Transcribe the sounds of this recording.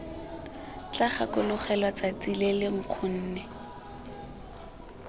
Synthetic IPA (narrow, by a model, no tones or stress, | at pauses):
t͡ɬaχakʊlʊχɛlwat͡sat͡silelɪŋ̩q͡χʰʊn̩ːnɛ